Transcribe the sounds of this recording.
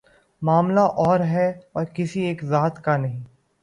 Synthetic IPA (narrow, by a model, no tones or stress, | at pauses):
maːmlaʔɔːɾɦɛɔːɾkɪsieːkzaːt̪kanɐɦĩː